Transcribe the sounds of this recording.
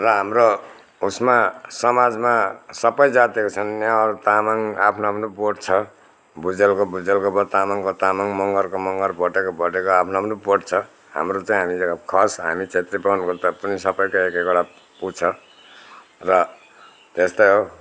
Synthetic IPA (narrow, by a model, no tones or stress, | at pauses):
rʌɦamro | usmasʌmad͡zmasʌpʌjd͡zat̪ekot͡sʰʌnːjaɾt̪amaŋapʰnoapʰnopoʈt͡sʰʌ | bud͡zelkobud͡zelkobʌt̪amaŋkot̪amaŋmʌŋɡʌrkomʌŋɡʌrbʌʈekobʌʈekoapʰnoapnopoʈt͡sʰʌ | ha̰mrot͡saĩɦamiekkʰʌsɦa̰mit͡sʰet̪ripnkot̪ʌpʌnisʌpʌjkoekekoɽa | put͡sʰʌ | rʌ | t̪est̪ʌjɦo